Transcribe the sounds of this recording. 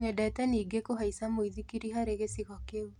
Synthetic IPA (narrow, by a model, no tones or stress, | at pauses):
ɲɛdaɛtɛniːɡekoɦaisamoiðikiɾiɦaɾeɣesiɣɔkeu